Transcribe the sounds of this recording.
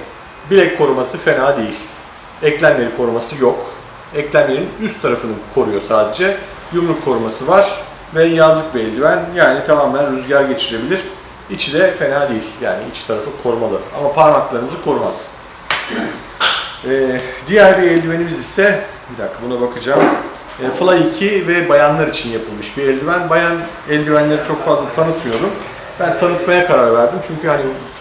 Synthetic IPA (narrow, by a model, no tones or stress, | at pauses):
bilʲɛckʰo̞ɾumasɯfe̞naːd̪e̞jilʲ | ɛclʲænme̞ɾikʰo̞ɾumasɯjok | ɛclʲænmeɾinyst̪ʰːaɾafɯnɯkʰo̞ɾujo̞saːd̪e̞d͡ʒɛ | jumlˠukʰo̞ɾumasɯvaɾ̥ | vɛjazlˠɯk̚bɛlʲd̪ʲivænjaːnit̪ʰamaːmænɾyzɟaɾɟe̞t͡ʃʰiɾe̞bilʲiɾ̥ | it͡ʃʰid̪ɛfe̞naːd̪ejilʲja̰ːniit͡ʃt̪ʰaɾafɯkʰo̞ɾumalˠɯa̰mapʰaɾmaklˠaɾɯnɯzɯkʰo̞ɾuma̰z̥ | ɛːd̪ijæɾbiɛlʲd̪ime̞nimizisɛ | bid̪akʰːabunabakʰɯd͡ʒaːm | ɛːfɯlˠaicʰivɛbajanlˠaɾit͡ʃʰinjapʰɯlˠmɯʃbiɛlʲd̪ʲivænbajan | ɛlʲd̪ivænlʲe̞ɾit͡ʃʰo̞kfazlˠat̪ʰanɯt̪mijo̞d̪um | bænt̪ʰanɯt̪majakʰaɾaɾvæɾd̪imt͡ʃʰyɲcyhani